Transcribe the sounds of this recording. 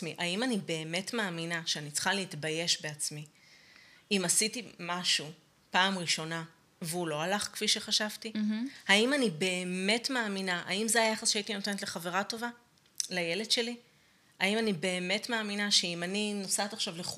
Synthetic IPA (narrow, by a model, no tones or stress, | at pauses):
miʔaimanibe̞ːme̞tmaːminaʃeanit͡sχaleitbaje̞ʃbeat͡smi | imasitimaʃu | paːmʁiʃo̞na | veulo̞alaχkfiʃe̞χaʃavtihaimanibe̞ːme̞tmaːminaʔa̰imzeajaχasʃeaitino̞te̞netleχave̞ʁato̞va | laje̞le̞dʃe̞li | aimanibe̞ːme̞tmaːminaʃeimaninosat̪aχʃavleχ